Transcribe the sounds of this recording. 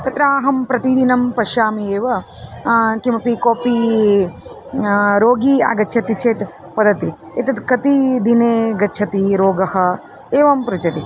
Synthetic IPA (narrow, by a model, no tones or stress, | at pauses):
t̪ɐt̪ɾaːɦɐmpɾɐt̪id̪inɐmpɐʃaːmieːʋɐ | kimɐpikoːpi | ɾoːɡia̰ːɡɐt͡ʃʰɐt̪it͡ʃeːt̪ | pɐd̪ɐt̪i | et̪ɐt̪kɐt̪id̪ineːɡɐːt͡ʃʰɐt̪iɾoːɡɐhɐ | eːʋɐmpɾut͡ʃɐt̪i